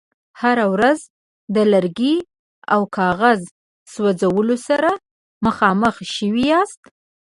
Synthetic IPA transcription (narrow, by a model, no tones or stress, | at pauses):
haɾawɾaz | d̪əlaɾɡi | awkʰɑɣaz | swad͡zawəlosaɾa | məxɑməxʃəwijɑst̪